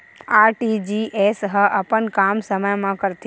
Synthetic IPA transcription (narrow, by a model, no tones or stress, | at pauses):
aːɾʈiːd͡ʒiːʔeːsɦəʔɐpənkaːmsəməjmãkɐɾt̪